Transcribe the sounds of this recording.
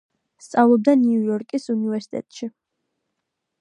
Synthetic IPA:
st̪sʼavlˠɔb̚d̪aniujɔɾkʼisunivɛɾsi̥t̪ʼɛ̰t̪ʼʃi

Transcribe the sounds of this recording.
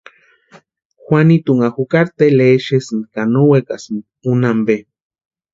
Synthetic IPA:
xwanit̪uŋaxukaɾt̪eleʃesɨnkanowekasn | unambe

